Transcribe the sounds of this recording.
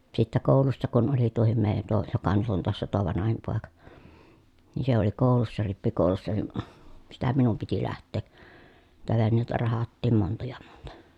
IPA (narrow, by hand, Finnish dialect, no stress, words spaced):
sitːæ koˑulusːɑ kun oli tuohim meˑi̯jæn tuo jokɑ nyt on toɑsːɑ tuo ʋɑnɑhim poˑekɑ ni se oli koˑu̞lusːɑ ripːikoˑu̞lusːɑ ni sitæ minum piti læhtˑeː niːtæ ʋenːeˑi̯tæ rɑhɑtːiːm montɑ jɑ montɑ̥